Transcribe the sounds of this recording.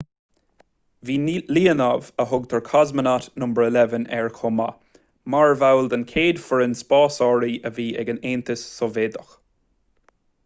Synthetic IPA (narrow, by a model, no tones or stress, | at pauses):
viːliːənavəɦʊɡ̚t̪ʰəɹkʰɔzmənat̪nʊmbəɹəlɛvənɛɹkʰʊma̰ | maɹvawld̪ankʰeːd̪fəɹənspɑːsɔɹiʔəviːɛɡəneːnt̪əsːɔveːd̪əx